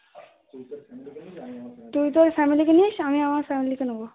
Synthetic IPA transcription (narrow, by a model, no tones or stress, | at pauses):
t̪uit̪oɾfɛmilikenieʃamiamaɾfɛmilikenũbo